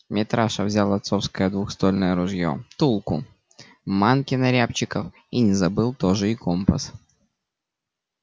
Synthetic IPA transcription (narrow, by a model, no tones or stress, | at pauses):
mʲɪt̪ɾaʂəvzʲalˠɐt̪so̞fskəjəd̪vʊxst̪o̞lʲnəjəɾʊʐjo̰t̪ulˠkʊ | mankʲɪnɐɾʲapt͡ɕɪkəf | inʲɪzɐbɨlˠt̪o̞ʐɨiko̞mpəs